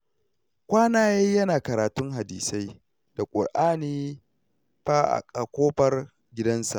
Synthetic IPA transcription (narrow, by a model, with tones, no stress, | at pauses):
kʷaː˦naː˦jeː˦jɐ˦naː˨kɐ˨ɾaː˨tʊ˦ŋɦa˨diː˨sa˦j | d̥a˨kʷʼʊ̰˨rʔaː˦niː˦ | ɸaː˦ʔa̰˨kʼa˨kʷoː˦ɸɐ˦r | ɡʲɪ˦dɐ˦nsa̰˨ʔ